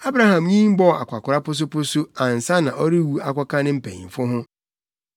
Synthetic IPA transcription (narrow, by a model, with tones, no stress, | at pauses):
a˦bɾa˦hã˨mɲĩ˦m̩˦bɔ˦˨a̰˨kʷʰa˨kʰʊ˨ɾa˦pʊ˦s̬ʊ˦pʊ˦sʊ˦ã˨n̩˨sa˦nã˨ʔɔ˦ɾi˦wu˦a˨kʷɔ˦kʰã˦nɪ̃˦m̩˦˨pʰɛ̰̃˨ɲḭ̃˨m̩˨fʊ˦ɦʊ̃˦